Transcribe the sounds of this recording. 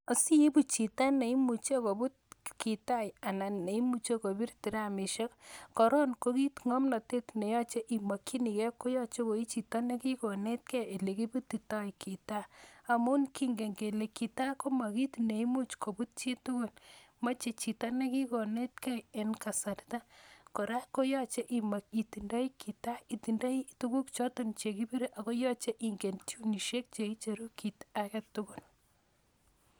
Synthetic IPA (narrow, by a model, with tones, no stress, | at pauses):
a˨si˦e˦bu˦t͡ʃi˨ta˦ne˨i˦mu˨t͡ʃe˦ko˨bu˦t̚ki˨ta˦ja˨na˨ne˨i˦mu˨t͡ʃe˦ko˨bi˦ɾti˨ɾa˨mi˨ʃɔ˦kkɔ˨ɾɔ˦nko˦ki˦tŋɔ˦mna˨te˦tne˨jɔ˦t͡ʃe˦ʔi˨ma˨kːi˦ni˨kɛ˦kːo˦jɔ˦t͡ʃe˦ko˨i˦t͡ʃi˨ta˦ne˦ki˦kɔ˨ne˦t̚kɛ˦e˨le˨ki˦bu˦t̪ːi˨ta˦jkʰi˨ta˦a˨mu˦nki˦ŋɡe˨ŋɡe˨le˨ki˨ta˦ko˦ma˨ki˦tne˨i˦mu˦t͡ʃko˨bu˦t̚t͡ʃe˦tu˦ko˨n | ma˦t͡ʃe˨t͡ʃi˨ta˦ne˦ki˦ko˨ne˦tkɛ˦je˨nka˨sa˨ɾta˦ko˨ɾa˦ko˦jɔ˦t͡ʃe˦ʔi˨ma˨ki˨ti˨nda˦i˦kʰi˨ta˦i˨ti˨nda˦ituku˦kt͡ʃɔ˦tont͡ʃe˨ki˦bi˦ɾe˦ʔa˨ko˦jɔ˦t͡ʃe˦ʔi˨ŋɡe˨nt͡ʃu˦ni˨ʃe˦k̚t͡ʃe˨i˦t͡ʃe˨ɾu˦ki˨ta˦kɛ˦tːu˦ku˦˨l